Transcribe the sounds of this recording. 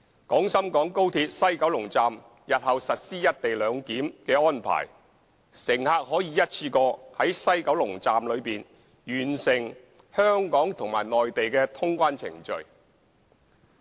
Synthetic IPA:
kɔː˨˥ŋsɐ˥mkɔː˨˥ŋko˥wt̪ʰiː˧t̚sɐ˥jkɐ˨˥wlʊ˨˩ŋt͡saː˨m | jɐ˨t̚hɐ˨wsɐ˨t̚siː˥jɐ˥t̚t̪e˨jlœː˨˧ŋkiː˨˥mkɛː˧ɔː˥npʰa̰ː˨˩j | sɪ˨˩ŋhaː˨˧k̚ɦɔː˨˥jiː˨˧jɐ˥t̚t͡sʰiː˧kɔː˧hɐ˨˥jsɐ˥jkɐ˨˥wlʊ˨˩ŋt͡saː˨mlɵ˨˧ɥpiː˨n | jyː˨˩nsɪ˨˩ŋ | hœː˥ŋkɔː˨˥ŋt̪ʰʊ˨˩ŋma̰ː˨˩jnɔː˨jt̪e˨jkɛː˧t̪ʰʊ˥ŋkʷaː˥nt͡sʰɪ̰˨˩ŋt͡ʃɵ̰˨ɥ

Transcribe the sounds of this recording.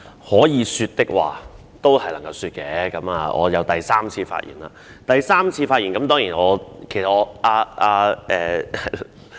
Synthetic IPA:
hɔː˨˥jiː˨˧syː˧t̚t̪ɪ˥k̚wa̰ː˨ | t̪o˥whɐ˨jlɐ˨˩ŋkɐ˧wsyː˧t̚kɛː˧kɐ˨˧˥maː˨˧ʔɔ̰ː˨˧jɐ˨˧wt̪ɐ˨jsaː˥mt͡sʰiː˧fa̰ː˧t̚jḭ˨˩nla̰ː˧ | t̪ɐ˨jsaː˥mt͡sʰiː˧faː˧jiː˨˩nkɐ˨˦mt̪ɔː˥ŋjiː˨˩nɔː˨˧kʰe˨˩sɐ˨t̚ɔː˧aː˧ʔaː˧ɛː˨˩hɐ

